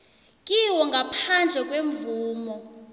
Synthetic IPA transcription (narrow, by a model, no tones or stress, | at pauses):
kʼiwɔŋɡʱapʰand͡ɮʱɛk̬ʼweɱvuːmɔ